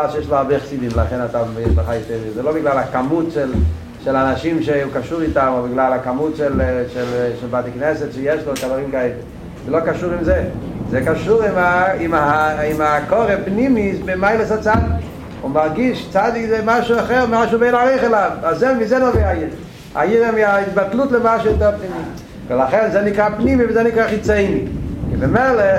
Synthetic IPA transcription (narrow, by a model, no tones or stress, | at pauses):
alʃəjeʃloaʁbɛχasid̪imlaχenat̪ajɛʃbaχajot̪ɛʁizɛlobiɡlalakamutʃel | ʃelanaʃimʃeukaʃuʁit̪amobiɡlalakamutʃelʃelʃɛlbat̪iknɛsɛt̪ʃɛjeʃlokavaʁimkaeli | zɛlokaʃuʁimzɛzɛkaʃuʁimaimaimakoʁɛpnimisbemajlesat͡sad̪ik | ṵmaʁɡiʃt͡sad̪ikzɛmaʃuaχɛʁmmaʃubejnaʁiχɛlavazɛmizɛnoviajiʁ | a̰jiʁɛmiait̪̚bat̪lut̪ləmaʃuɛt̪ɛpnimi | velaχɛnzɛnikʁapnimivəzɛnikʁaχit͡sɛjmikibɛmele